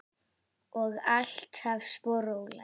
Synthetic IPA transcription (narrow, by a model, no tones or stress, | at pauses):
ɔɣal̥t̪havspɔːɾowɣla̰